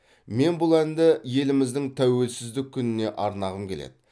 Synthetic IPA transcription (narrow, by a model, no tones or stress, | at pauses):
me̞nbʊlˠænd̪ɪje̞lɪmɪzd̪ɪŋt̪ʰæwe̞lsɪzd̪ɪkʲʰːʏnɪne̞ʔɑɾnɑʁəmkʲʰe̞lḛd̪ɪ